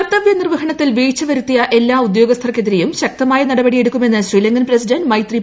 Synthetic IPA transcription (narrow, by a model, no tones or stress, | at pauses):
t̪ːɐʋjɐnirʋɐhɐɳɐtt̪ːilʋiːt͡ɕːɐʋɐɾut̪ːijɐʔe̞lːaːud̪jo̞ːɡɐst̪ʰɐrɐkːe̞ðiɾejumɕɐk̚t̪ɐmaːjɐnɐɽɐbɐɽije̞ɽukːume̞nːɨɕwiːlɐŋɡɐnprɐsidɐnmɐjt̪ri